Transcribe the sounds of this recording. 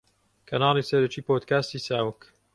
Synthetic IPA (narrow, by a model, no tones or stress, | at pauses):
kʰɐnɑːlˠisɐɾɐt͡ʃiːpoːd̪kaːst̪isaːwək